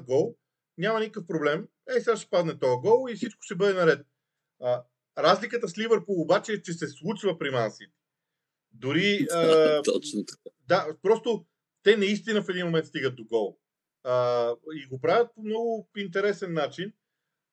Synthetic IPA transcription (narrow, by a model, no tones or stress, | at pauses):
ɡɔlˠ | nʲamɐnikəfpɾoblɛm | ɛsʲaʃt̪ɛ̥pad̪nɛt̪ɔjəɡɔlˠifsit͡ʃkʊ̥ʃt̪ɛbɤd̪ɛnɐɾɛt̪ | ə | ɾazlikət̪əslivəɾpoobat͡ʃɛːt͡ʃɛsɛslˠut͡ʃvəpɾimansit̪ɛ̥ | d̪ʊɾiət̪ɔt͡ʃnoad̪apɾɔst̪o | t̪ɛnɐist̪inəfɛd̪inmomɛnt̪st̪iɡət̪̚d̪oɡɔlˠ | əiɡopɾavʲɐt̪̚pomnɔɡʊint̪ɛɾɛsɛnːat͡ʃin